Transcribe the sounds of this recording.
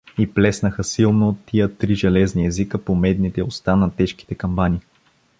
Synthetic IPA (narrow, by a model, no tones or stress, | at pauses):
iplɛsnəxəsilˠnoːt̪ːijət̪ɾiʒɛlɛzniɛzikəpomɛd̪nit̪ɛost̪anɐt̪ɛʃki̥t̪ɛkɐmbani